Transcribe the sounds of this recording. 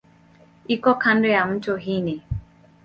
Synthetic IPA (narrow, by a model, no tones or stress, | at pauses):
ikɔkʰandɔjam̩tɔɦini